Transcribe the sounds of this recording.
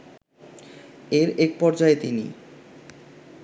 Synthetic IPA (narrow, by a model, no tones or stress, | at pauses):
eɾek̚pɔɾd͡ʑaet̪inḭ